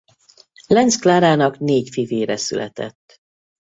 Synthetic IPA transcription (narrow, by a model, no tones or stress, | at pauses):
lɛnt̪sklaːɾaːnɒkneːcfiveːɾɛsy̰lʔɛ̰t̪ɛ̰t̪ː